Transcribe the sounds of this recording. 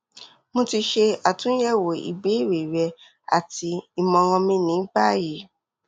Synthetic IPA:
mõ˧ti˧ʃe˧a˨tũ˨˦jɛ˦˨wo˨ḭ˨be˨˦˨ɾe˨ɾɛ˧ | a̰˨ti˧i˨mɔ̃˧w̃ɔ̃˧mĩ˧nĩ˨˦ba˦˨je˨˦

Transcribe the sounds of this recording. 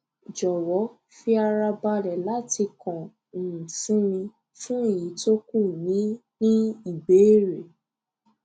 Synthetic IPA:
d͡ʒɔ˨wɔ˨˦ | fi˧a˧ɾa˧ba˧ɾɛ˨la˦ti˧kã˨ | fũ˨˦mĩ˧ | fũ˦i˦˨ji˨˦to˦ku˦˨nĩ˨˦nĩ˦i˨be˨˦ɾe˨

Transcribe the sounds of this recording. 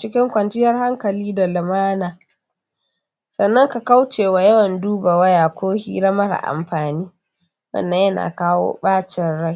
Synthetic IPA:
t͡ʃɪ˦kʲɪ˦ŋkʷɐ˨ntɪ˦jɐ˦rha˦ŋkɐ˨liː˦da˨lɪ˨maː˦naː˨ | sɐ˨nːɐ˦ŋka˨ka˦wt͡ʃeː˨wa˨jɐ˦wɐ˨nduː˦ba˨wɐ˦jaː˨kʷoː˦hḭː˦ɾɐ˦mɐ˦ɾa̰˨ʔa̰˨mɸaː˨niː˦ | wɐ̰˦˨nːɐ˦jɐ˦na̰ː˨kaː˦wo̰ː˦ɓaː˦t͡ʃɪ˨nɽɐ˦

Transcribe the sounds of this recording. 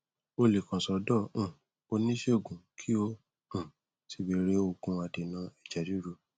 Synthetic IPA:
o˧le˨kã˨sɔ˨˦dɔ̃˦˨ | o˧nĩ˦ʃe˦o˦˨ɡũ˨kʰi˦õ˦˨ | ti˨˦be˧˦ɾe˦o˧ɡũ˧˦a˧de˨nã˧ɛ˨d͡ʒa˨d͡ʒu˦ɾu˧˦

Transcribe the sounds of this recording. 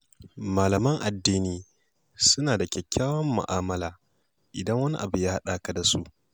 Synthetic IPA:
maː˨lɐ˨mɐ˦ŋʔa˨dːiː˦niː˦ | sʊ˦naː˨da˨kʲɛ˨kʲːaː˦wɐ˦mːʊ̰˨ʔaː˦mɐ˦laː˨ | ʔɪ˨dɐ˦ŋwɐ˦ni˦ʔa˨bu˨jaː˦ha˦ɗaː˦ka˨da˨su˦ʔ

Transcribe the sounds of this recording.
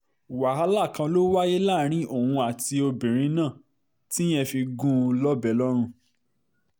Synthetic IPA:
wa˨a˦la˦˨kã˧lo˦wa˦je˦la˦˨˦ɾ̃ĩ˦o˦˨hũ˧a˨ti˧o˧bĩ˨ɾ̃ĩ˨˦nãː˦˨ | tĩ˦ɛ̃˦fi˧ɡũ˦˧lɔ˦bɛ˨˦lɔ˦ɾ̃ũ˧

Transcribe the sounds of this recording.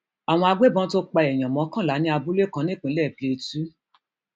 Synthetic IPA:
a˨w̃ɔ̃˧a˧ɡ͡be˦˨bɔ̃˧˦to˧˦k͡pa˧ɛ˨j̃ã˨mɔ̃˨˦kã˦˨la˨˦nĩ˦a˧bu˦le˦˨kã˧˦nĩ˦˨k͡pĩ˧˦lɛ˦˨pe˨˧tu˦

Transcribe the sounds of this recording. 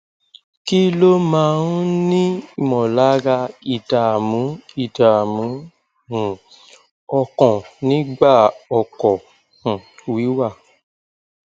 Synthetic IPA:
ki˦lo˦mã˦˧˦ũ˦nĩ˦˨mɔ̃˨la˨˦ɡa˧i˦˨ta˨mũ˨˦i˦˨ta˨mũ˨˦ | ũ˨ | ɔ˧kɔ̃˨nĩ˨˦ɡ͡ba˦˨ɔ˨kɔ˨ | h̩˨wi˨˦wa˦˨

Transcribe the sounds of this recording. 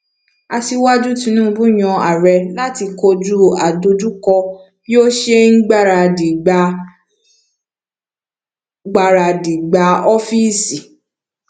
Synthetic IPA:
a˧ti˧wa˦d͡ʒu˦tĩ˧nũː˦˨˧bũ˦˨j̃ɔ̃˧a˨ɾɛ˧la˦ti˧ko˧d͡ʒu˦a˨do˧d͡ʒu˦kɔ˧ | jo˦ʃe˦ŋ̩˦ɡ͡ba˦˨ɾa˧˨di˨ɡ͡ba˧ | ɡ͡ba˧˨ɾa˧˨di˨ɡ͡ba˧˦ɔ˦fi˦˨si˨

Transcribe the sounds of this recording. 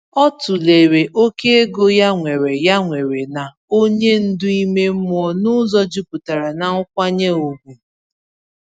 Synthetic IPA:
ɔ˦tʊ˨le˨ɾe˨ʔo˦ke˦e˦ɡo˦ja˦ŋʷe˨ɾe˨ja˦ŋʷe˨ɾe˨na˨ | o˦ɲe˦n̩˦dʊ˦i˦me˦m̩˦m˦ɔ˦nʊ˦zɔ˦d͡ʒi˦pʊ˨ta˨ɾa˨na˨ʊ˦kʷa˦ɲe˦o˨ɡʷu˨

